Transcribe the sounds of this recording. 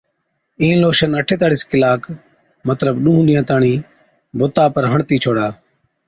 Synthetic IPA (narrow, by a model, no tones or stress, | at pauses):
ĩːloːʃənəʈʰeːt̪aːɽiːskɪlaːk | mət̪ləbɗũːɦɗ̪ɪjãːt̪aːɳiː | bʊt̪aːpəɾɦəɳt̪iːt͡ʃʰoːɽaː